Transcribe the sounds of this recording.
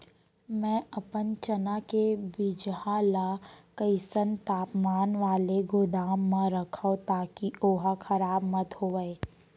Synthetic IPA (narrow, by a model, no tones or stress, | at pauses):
mɛ̃ːɐpənt͡ʃənakebid͡ʒɦalakəɪsənt̪aːpmaːnʋaːleɡʊd̪aːmːãɾɐkʰaot̪aːkioːɦakʰɐɾaːbmɐt̪hoːʋəe